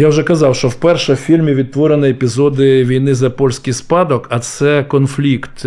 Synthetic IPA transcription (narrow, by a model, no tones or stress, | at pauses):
jawʒɛkɐzɑwʃt͡ʃɔwpɛrʃɛwfʲilʲmʲiʋʲid̪̚t̪ʋɔɾenɪɛpʲizɔd̪ɪʋʲijnɪzɐpɔlʲsʲkɪjspɑd̪ɔkɐt̪sɛkɔnflʲikt̪